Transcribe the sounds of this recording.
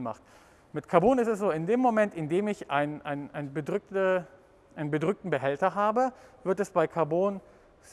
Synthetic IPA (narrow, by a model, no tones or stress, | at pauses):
ma̰χt | mɪtkʰaɐboːnɪstɛs̬z̥oːɪndeːmːomɛntɪndeːmɪçʔaɪnʔaɪnʔa̰ɪnbədʁʏk̚tə | ʔaɪnənbədʁʏk̚tn̩bəɦɛltɐɦaːbəvɪɐtɛsb̥aɪkʰaɐboːn | z